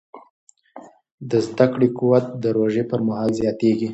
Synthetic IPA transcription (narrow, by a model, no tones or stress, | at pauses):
d̪əzd̪akɽekuwat̪̚d̪əɾoʒepəɾmaɦɑlzjɑt̪eɡi